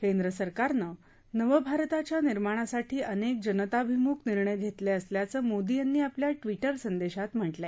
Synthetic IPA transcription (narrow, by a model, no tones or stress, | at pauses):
kẽnd̪ɾəsəɾkaɾnə | nəʋəbʱaɾt̪at͡ɕjaniɾmaɽ̃asaʈiːʔənek̚d͡ʑənət̪abʱimuːkniɾɳəjɡʱet̪leəsljat͡səːmod̪ijanːiːapljaʈʋiʈəɾsənd̪eɕat̪m̤əʈla